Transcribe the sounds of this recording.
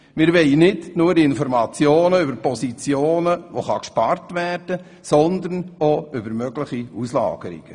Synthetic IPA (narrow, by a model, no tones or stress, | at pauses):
mɪːɾʋɛɪnɪdnuːɾɪnfɔɾmɑt͡sjoːnəʏbəɾpɔsit͡sjoːnəʋoχɑkʃpɑrtvæːrd̥ə | sɔnd̪ənoʏbəɾmœɡ̥lɪχiuslɑ̰ːɡ̥əɾḭɡ̥ə